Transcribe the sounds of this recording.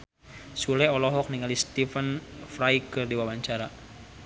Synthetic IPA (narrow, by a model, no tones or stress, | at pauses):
sulɛɔlɔɦɔk̚niŋalist̪ifənfɾajkɨrdiwawaɲt͡ʃaɾa